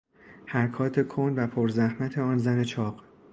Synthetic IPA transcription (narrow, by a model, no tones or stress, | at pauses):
hæɾkʰɒːt̪ʰe̞kʰonvæpʰoɾzæhmæt̪ʰe̞ɒːnzæne̞t͡ʃʰɒːɢ̥